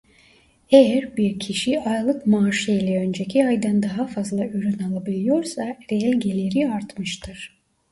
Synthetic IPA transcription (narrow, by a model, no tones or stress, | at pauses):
ejæɾbiɾcʰiʃiajlˠɯkmaːʃiilʲɛø̞nd͡ʒecʰiajd̪and̪aɦafazlˠaʔyɾynalˠabilʲˠijo̞ɾsaɾelʲɟelʲeɾiaɾt̪mɯʃt̪ʰɯɾ̥